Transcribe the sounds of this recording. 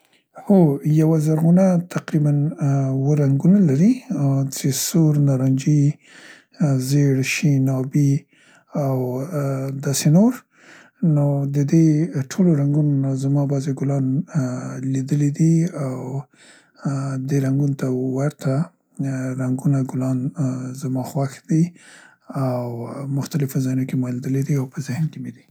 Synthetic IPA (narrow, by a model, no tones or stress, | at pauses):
hojawazaɾɣunat̪ʰaqɾibanwəɾaŋɡunalaɾit͡ʃesoɾnɑɾɑnd͡ʒi | zeɽʃinɑbi | aw | d̪ɑsenoɾ | nod̪əd̪eʈʰoloɾaŋɡunonazamɑbɑzeɡʊlɑn | lid̪əlid̪iaw | d̪eɾaŋɡunot̪awaɾt̪ʰa | ɾaŋɡunaɡʊlɑnzamɑxwaxd̪i | awmʊxt̪alɪfozɑjnokemɑlid̪əlid̪iawpəzɪhnkemed̪i